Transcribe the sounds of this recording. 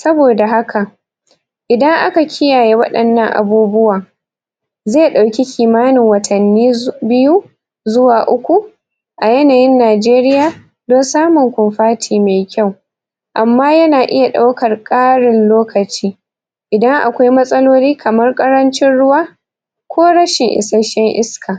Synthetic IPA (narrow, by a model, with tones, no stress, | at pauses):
sɐ˦boː˨da˨ɦa˦kʰa˨ʔ | ʔɪ˨dɐ˦ŋʔa̰˦ka˨kʲʰɪ˦jaː˨je˦wɐ̰˦ɗɐ˨nːɐ˦ŋʔa̰˨buː˦bʊ˦waː˨ | zeː˦˨ɗa˨wkʲi˦kʲʰiː˨maː˦nɪ˨ŋwɐ˨tʰɐ˨nːiː˦bɪ˦ju˦ | zʊ˦waː˨ʔʊ˦kʷu˨ | ʔa˨jɛɐ˦naː˨jɪ˦nːaː˨d͡ʒeː˦ɾɪ˦jaː˨ | do˦nsaː˦mʊ˨ŋkʷʊ˨nɸaː˦tʰiː˨meː˨kʲa˦˨w | ʔa˨mːaː˦jɐ˦naː˨ʔɪ˦ja˨ɗa˦wkɐ˨rkʼaː˦ɽɪ˨nloː˦kɐ˨t͡ʃiː˦ | ʔɪ˨dɐ˦ŋʔa̰˨kʷa˦jmɐ˦sʼɐ˦loː˦liː˦kʰɐ˨mɐ˦rkʼɐ˦ɾɐ˦nt͡ʃɪ˦nɽʊ˦waː˦ | kʷoː˦ɽɐ˦ʃɪ˨ŋʔɪ̰˨sɐ˦ʃɛ˦ŋʔɪ˦skʰaː˨